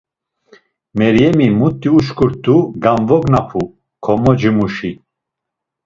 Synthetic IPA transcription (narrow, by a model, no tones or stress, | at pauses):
mɛɾjɛmimut̪ʼːiuʃkʰʼuɾt̪ʰʼuɡanvɔɡnapʰu | kʰɔmɔd͡ʒimuʃi